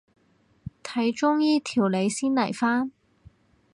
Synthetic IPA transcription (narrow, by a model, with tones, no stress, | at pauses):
t̪ʰɐ˨˥jt͡ʃʊ˥ŋjiː˥t̪ʰiː˨˩wle˨˧jsiː˥nlɐ˨˩jfaː˥n